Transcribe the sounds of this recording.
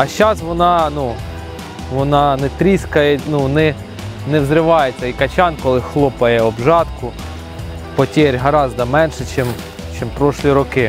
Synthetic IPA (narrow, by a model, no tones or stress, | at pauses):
ɐʃt͡ʃɑsʋɔnɑnu | ʋɔnɑnɛt̪ɾʲiskɐjɛnunɛ | nɛwzɾɪʋɑjet͡sʲːɐikɐt͡ʃʲɑnkɔlˠɪxlˠɔpɐjɛɔbʒɑt̪kʊ | pɔtʲeɾʲɦɐɾɑzd̪ɐmɛnʃɛt͡ʃɛm | t͡ʃɪmpɾɔʃlʲˠiɾɔkɪ